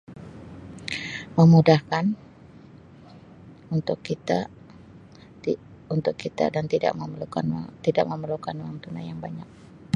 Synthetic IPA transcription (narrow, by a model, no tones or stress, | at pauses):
məmudahkan | unt̪ʊkːit̪a | i | unt̪ʊkːit̪a̰dant̪ida̰ʔməmlukant̪ida̰ʔ̚məməlukanuwaŋt̪una̰jaŋbaɲak̚